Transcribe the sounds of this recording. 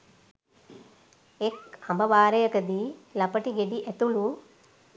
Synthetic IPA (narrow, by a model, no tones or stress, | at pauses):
ekɐmbɐʋaːɾɐjəkəd̪ilɐpəʈiɡed̪iʔæt̪ulu